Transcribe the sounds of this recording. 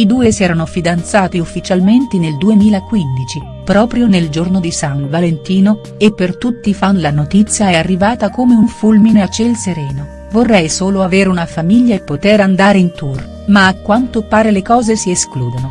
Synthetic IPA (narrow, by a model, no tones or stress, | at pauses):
id̪uːesiɛːɾanofid̪ant̪saːt̪iufːit͡ʃalment̪eneld̪uemiːlakwind̪it͡ʃi | pɾɔːpɾjoneld͡ʒornod̪isanvalent̪iːno | epːert̪ut̪ːifanlanot̪it̪sːjaɛarːivaːt̪akomeunfulmineat͡ʃːelseɾɛːno | vorːɛjsoːloaveːɾeunafamiʎːaepːot̪eɾand̪aːɾeint̪ur | maːkːwant̪opaːɾelekɔːzesieskluːd̪ono